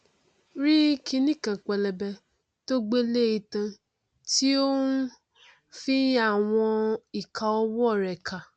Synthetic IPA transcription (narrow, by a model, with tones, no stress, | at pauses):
ɾi˦kʰĩ˧nĩ˦˨kã˨k͡pɛ˨lɛ˨bɛ˧ | to˦ɡ͡be˦le˦i˧tã˧ | ti˦o˦nu˦ | fĩ˦a˦˨w̃ɔ̃˧i˨kʰa˧ɔ˧wɔ˦˨ɾɛ˨kʰa˨